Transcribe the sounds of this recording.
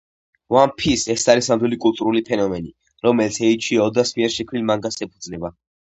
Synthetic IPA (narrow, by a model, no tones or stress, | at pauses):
wanpʰisɛsaɾisamd̪wɛlikʼulˠt̪ʼuɾulipʰɛnɔmɛni | ɾɔmɛlit̪sʰɛit͡ʃʰiaɔd̪asmiɛɾʃɛkʰwilmaŋɡasɛpʰud̪znɛba